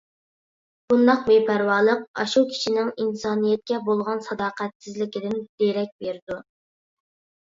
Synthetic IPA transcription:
b̥und̪ɑqmepʰæɾwɑːlˠəqɑ̰ʃukʲʰi̥ʃʰinɪŋinsɑːnijɛt̪̚kʲɛbolˠʁɑnsɑd̪ɑːqæt̪sɪzlɪkʲɪd̪ɪnd̪̥eɾɛk̚ʲbeɾɪd̪u

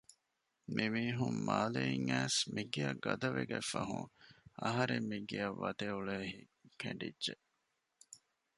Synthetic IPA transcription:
mʔimiːɦummaːleiŋæːsmiɡeɐɡɐd̪ɐʋeɡæfɐɦũŋɐɦɐɾemːiɡeɐʋːɐt̪euɭehikʰeɳɖidːʒeʔ

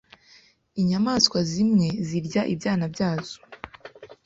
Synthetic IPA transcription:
iɲamaːskwazimŋe̞ziɾɟaʔibjaːnabɟaːz̥o̥

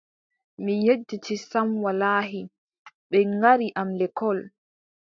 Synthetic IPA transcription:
mijed͡ʒːit͡ʃisamwalaːɦi | ɓɛŋɡaɾiʔamlɛkʰɔl

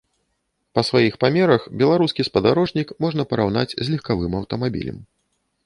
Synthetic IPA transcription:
pɐsvajixpamʲɛɾɐxbʲɛlˠaɾuskʲispɐd̪aɾɔʐnʲikmɔʐnɐpɐɾawna̰t͡sʲzʲlʲixkavɨmɐwt̪ɐmabʲḭlʲɐ̰m

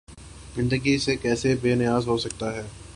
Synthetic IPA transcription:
zɪ̃nd̪əɡisekɛːsebeːnɪjaːzɦoːsɐk̚t̪aɦɛː

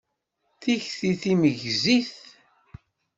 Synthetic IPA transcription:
θiçθiθiməʝziθ

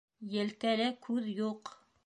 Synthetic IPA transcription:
jɘ̆lk̪ælækʰʉðjuq

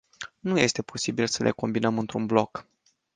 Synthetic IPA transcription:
nuje̞st̪e̞po̞sibilsəlʔe̞̰ko̞mbinəmɨnt̪ɾunblo̞k

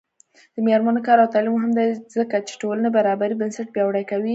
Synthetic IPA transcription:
d̪̥əmeɾmanokɑɾawt̪ɑlimoɦɪmd̪ajzəkat͡ʃe̥ʈolanabaɾɑbaɾibənsaʈ̚bjɑwɽajkawi

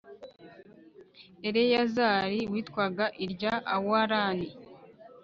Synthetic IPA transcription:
eɾe̞jazaːɾiwiːtkwaɡaʔiɾɟaawoaɾaːni

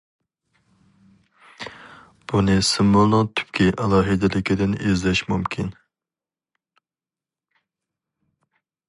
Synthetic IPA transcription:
b̥unɨsɨmːolˠʊŋt̪ʰy̥p̚kʲiʔɛlˠɑːɦɪd̪ɪlɪkʲid̪ɪnezlɛʃmumkʲʰin

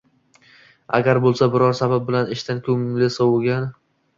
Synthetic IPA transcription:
a̰ɡʲaɾbolˠsabɪɾɒɾsabap̚bɪlanɪʃt̪ankʰɵŋlɪsɒwoɡʲan

